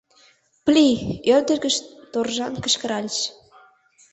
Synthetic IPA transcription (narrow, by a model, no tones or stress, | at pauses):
plʲiørd̪ə̆ɾɡə̆ʃt̪orʒɑnkə̆ʃkə̆ɾɑlʲʃ